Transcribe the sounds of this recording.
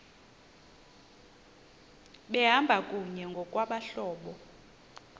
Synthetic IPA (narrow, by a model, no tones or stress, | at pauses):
ɓɛɦambʱakʼuɲɛŋɡʱɔkʼwaɓaɬɔːɓɔ